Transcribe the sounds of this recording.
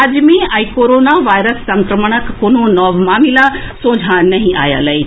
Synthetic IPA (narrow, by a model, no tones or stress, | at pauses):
ad͡ʒmiaikoɾonaʋajɾəsːɐŋkɾəməɳ̃əkːoñonɔʋmamilasõːd͡zʱanɐɦĩʔa̰ja̰lɐi